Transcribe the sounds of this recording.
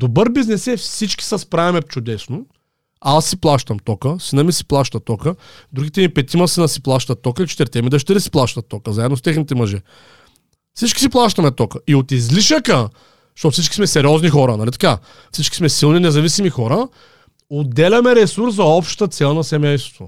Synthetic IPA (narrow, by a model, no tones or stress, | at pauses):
d̪obɤɾbiznɛsɛfsit͡ʃkʲi̥sɐspɾavɛmɛft͡ʃʊd̪ɛsno | asːiplˠaʃt̪ɐmt̪ɔkəsinɐmisi̥plˠaʃt̪ətt̪ːɔkə | d̪uɡʲit̪ɛmipɛt̪ʲimɐsinɐsiplˠaʃt̪ɐt̪ːɔkəit͡ʃɛ̥t̪ɛɾt̪ɛmid̪ɐt͡ʃ̬ɛt̪ɾisi̥plˠaʃt̪ɐt̪ːɔkəzaɛd̪nost̪ɛxnit̪ɛmɐʒɛ | fsit͡ʃkʲi̥s̬iplˠaʃt̪ɐmɛt̪ɔkəiot̪izliʃəkə | ʃt̪ɔt̪fsit͡ʃkʲi̥smɛsɛɾiɔznixɔɾənɐlit̪ɐ̥ka | fsit͡ʃkʲi̥smɛsilˠninɛzɐvisimixɔɾə | od̪ɛlʲɐmɛɾɛsuɾszɐɔpʃt̪t̪ət̪sɛlˠnɐsɛmɛjst̪vo̰